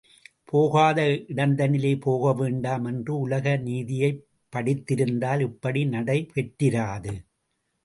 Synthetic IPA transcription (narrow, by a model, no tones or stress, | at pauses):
pʰoːɣaːðɐʔɪɽɐnd̪ɐnɪleːpoːɣɐʋeːɳɖaːmɛndrɯʊlɐɣɐniːðɪjɐɪ | pːɐɽɪt̪ːɪɾɯnd̪aːlɪpːɐɽinɐɽɐɪpɛʈːɪɾaːðɯ